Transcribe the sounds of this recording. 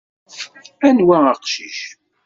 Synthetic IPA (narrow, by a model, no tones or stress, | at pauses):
ænwæəqʃiʃ